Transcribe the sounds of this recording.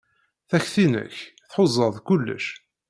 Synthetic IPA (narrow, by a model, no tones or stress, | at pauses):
θæçθinə̰çθħozˤːəðˤkʊlːə̰ʃ